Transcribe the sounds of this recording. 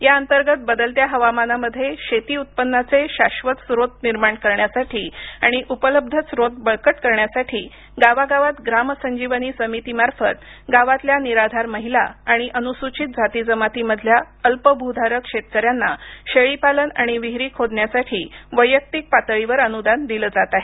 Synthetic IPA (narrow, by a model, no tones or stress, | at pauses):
jaənt̪əɾɡət̪̚bəd̪əlt̪jaɦəʋamanaməd̪ʱːjeɕet̪iːut̪̚pənːat͡seɕaɕʋət̪sɾot̪niɾmaɳkəɾɳjasaʈʰiːaɽ̃iʔupələb̚d̪ʱət͡sɾot̪̚bəɭkəʈkəɾɳjasaʈʰiː | ɡaʋaɡaʋat̪ɡɾaməsəɲd͡ʑiʋəniːsəmit̪imaɾfət̪ | ɡaʋat̪ljaniɾad̪ʱaɾməɦilaaɽ̃iʔənusut͡ɕit̪̚d͡zʱat̪id͡zəmat̪iməd̪ʱlja | əlpəbʱud̪ʱaɾəkʂet̪̚kəɾjanːaɕeɭipaləna̰ɽ̃iʋiɦɾiːkʰod̪ɳjasaʈʰḭːʋəjək̚t̪ik̚pat̪əɭiʋəɾənud̪and̪iləd͡zat̪aɦe